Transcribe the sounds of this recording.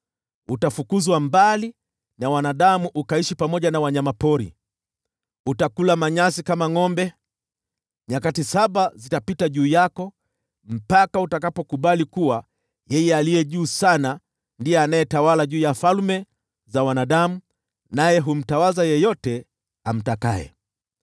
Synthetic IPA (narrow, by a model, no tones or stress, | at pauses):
utafukuzwambali | nawanaɗamuʔukaiʃipamɔʄanawaɲamapɔɾḭ | utakulamaɲasikamaŋɔmbɛ | ɲakatisaɓazitapitaʄuːjakɔ | m̩pakautakapɔkuɓalikuwa | jɛjɛalijɛʄuːsana | ndijɛanajɛtawalaʄuːjafalmɛ | zawanaɗamu | najɛɦum̩tawazajɛjɔtɛ | am̩taka̰ɛ̰